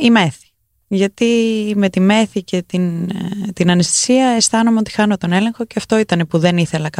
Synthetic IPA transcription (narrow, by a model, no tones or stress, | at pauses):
ime̞θi̥ | ʝɐt̪ime̞t̪ime̞θice̞t̪int̪inɐnist̪i̥siɐe̞st̪ɐnomeo̞t̪i̥xɐno̞t̪o̞ne̞le̞ŋxo̞ce̞ɐft̪o̞it̪ɐnepuðe̞niθe̞lɐkɐ